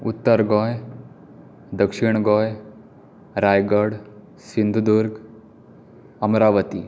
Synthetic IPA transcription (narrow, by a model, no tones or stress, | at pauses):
ut̪ːəɾɡɔj | d̪əkʂiɳ̃ɡɔj | ɾajɡəɽ | sind̪ʱud̪uɾɡ | əmɾaʋət̪i